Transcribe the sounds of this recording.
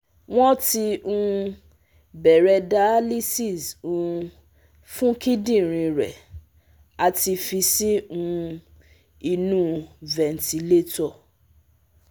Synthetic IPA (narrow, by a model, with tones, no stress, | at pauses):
w̃ɔ̃˦ti˧ũ˧ | bɛ˨ɾɛ˧da˨˦li˦si˦˨su˧˨˧ | fũ˦ki˦dĩ˦˨ɾ̃ĩ˧ɾɛ̰˨ | a˨ti˧fi˧si˦ũ˧ | i˧nũ˦vɛ˨n̩˨ti˨le˦tɔ˦˨